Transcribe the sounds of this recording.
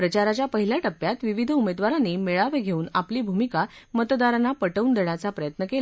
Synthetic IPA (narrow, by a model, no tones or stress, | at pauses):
pɾət͡ɕaɾat͡ɕjapəɦiljaʈəpːjat̪ʋiʋid̪ʱumed̪ʋaɾanːiːmeɭaʋeɡʱeuːnapliːbʱumikamət̪d̪aɾanapəʈəund̪eɳjat͡sapɾəjət̪nəkela